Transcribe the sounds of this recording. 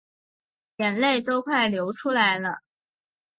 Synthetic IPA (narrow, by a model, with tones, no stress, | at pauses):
jɛ˨˩nle˥˩ɪt̪o˥ʊkʰwa˥˩ɪljo˧˥ʊʈ͡ʂʰu˥la˧˥ɪlə˧